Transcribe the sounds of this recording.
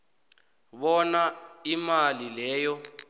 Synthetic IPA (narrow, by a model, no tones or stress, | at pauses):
βɔnaimalilɛːjɔ